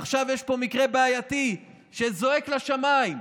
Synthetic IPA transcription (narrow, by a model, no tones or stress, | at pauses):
aχʃavjeʃpo̞mikʁe̞beajati | ʃezo̞e̞klaʃamaim